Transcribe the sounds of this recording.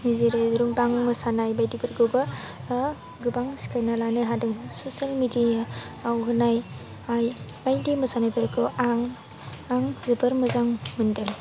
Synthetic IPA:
nizeɾezɾumbaŋmɯsanajbajdibɯɾɡobɐ | ɡɯbaŋsi̥kʰajnalanɯɦadɯŋsosalmidijaː | wɦɯnaj | ajbajdimɯsanabɯɾkʰɯaŋ | aŋzɯbɐɾmɯzaŋmɯndɯl

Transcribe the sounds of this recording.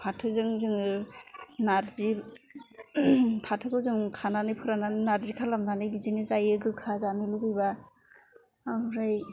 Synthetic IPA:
pʰatʰɯzɯŋzɯŋɯ | naɾzi | pʰatʰɯkɯzɯŋkʰananɯjpʰɯɾananaɾzikʰalamdanɯjɡizinizajɯɡɯkʰazaniluɡɯjba | bɾaj

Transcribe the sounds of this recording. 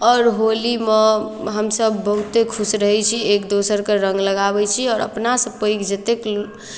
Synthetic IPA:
ɔːɾɦolimeɦəmsəbːəɦut̪ekʰusɾəɦɛt͡ʃʰiekd̪osəɾkeɾə̃ŋɡləɡabɛt͡ʃʰiɔːɾə̰pnasə̃pəikd͡ʒət̪ek

